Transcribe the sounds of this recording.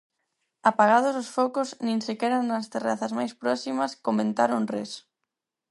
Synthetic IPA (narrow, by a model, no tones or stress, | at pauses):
apaɣað̞ozosfɔkʊznĩŋsekɛɾanɐst̪eraθɐzmajspɾɔsimɐskomẽnt̪aɾonres